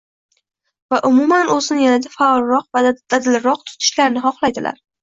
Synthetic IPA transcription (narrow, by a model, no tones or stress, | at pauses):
vaʔʊmumanozɪnjanad̪afaɒlˠɾɒqvad̪̥ad̪ɪlɾɒq̚t̪ʰʊ̥t̪ʰɪ̥ʃlaɾnɪχɒχlˠajd̪ɪlʔa̰ɾ